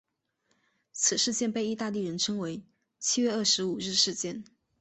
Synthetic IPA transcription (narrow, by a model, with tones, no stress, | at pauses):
t͡sʰɹ̩˨˩ʂɻ̩˥˧t͡ɕjɛ˥˧npe˥˧ɪi˥˧t̪a˥˧li˥˩ɻə˧˥nʈ͡ʂʰɤ˥ŋwe˧˥ɪ | t͡ɕʰi˥ɥɛ˥˧ə˥˩ʂɻ̩˧˥u˨˩ɻɻ̩˥˧ʂɻ̩˥˧t͡ɕjɛ˥˩n